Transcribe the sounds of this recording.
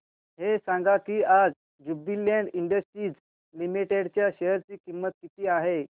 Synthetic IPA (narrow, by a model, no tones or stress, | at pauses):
ɦesãŋɡakiːad͡z | d͡ʑubilɛɳɖiɳɖəsʈɾiːd͡z | limiʈeɽt͡ɕjaɕeɦəɾt͡siːkimːət̪̚kit̪iːaɦe